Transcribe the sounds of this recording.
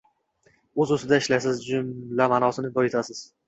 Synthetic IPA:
ɵzɵsɪd̪aɪʃlasɪzd͡ʒʊmlamanɒsɪnɪbɒet̪ʰasɪz̥

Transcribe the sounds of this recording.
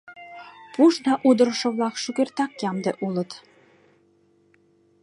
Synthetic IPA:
puʃnɑʔud̪ɤ̆ɾə̆ʃɤ̆βlɑkʃyɣert̪ɑkjɑmd̪eʔulə̆t̪

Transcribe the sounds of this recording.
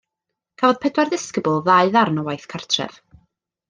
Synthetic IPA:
kʰaːvɔð̥pʰɛdwarðɪskəbʊlˠðaɨðarnɔwajθkʰar̥tʰrɛ̰v̥

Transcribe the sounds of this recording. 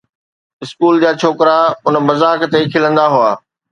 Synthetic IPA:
ɪskuːld͡ʑaːt͡ɕʰoːkɾaʊnmɐzaːkt̪ekʰɪlə̃nd̪aɦʊaː

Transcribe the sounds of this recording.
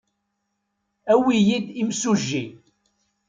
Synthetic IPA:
æwijid̪imsuʒːi

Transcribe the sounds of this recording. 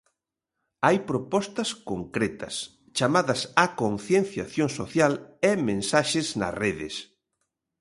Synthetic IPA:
ajpɾopɔst̪ɐskoŋkɾɛt̪ɐ̰s | t͡ʃamaðɐsakonθjenθjaθjoŋsoθjalemẽnsaʃɪznɐ̰sreðɪ̰s

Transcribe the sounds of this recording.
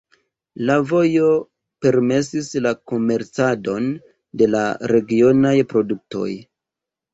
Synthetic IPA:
lavo̞jo̞ | pe̞ɾme̞sislako̞me̞ɾt͡sado̞n | de̞la̰ɾe̞ɡio̞najpɾo̞duk̚to̞̰j

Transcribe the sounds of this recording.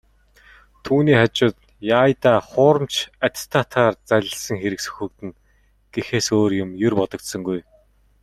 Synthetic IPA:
t̪ʰuːniːχat͡ɕʊːt̪ | jaːjt̪aːχʊːɾə̆mt͡ɕʰat̪ʲt̪ʰːaːt̪ʰaːrt͡sæɮʲɪ̆ɮsə̆ŋxeɾɘ̆ksɵ̥xɵ̆k̚t̪ɘ̆n | ɡ̥exeːsoːrjʊmjʊrpɔt̪ɞ̆kt̪sɞ̆ŋɡuj

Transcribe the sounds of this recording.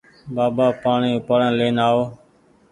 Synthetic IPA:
baːbaːpaːɳiːpəɽãːleːnaːoː

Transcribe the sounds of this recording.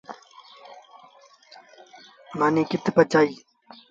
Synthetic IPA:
maːnĩːkɪt̪ʰpət͡ʃaːiː

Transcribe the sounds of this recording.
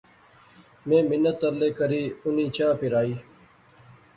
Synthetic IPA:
mẽːmɪnːət̪ːəɾleːkəɾiːʊniːt͡ʃãːpɪɾaːiː

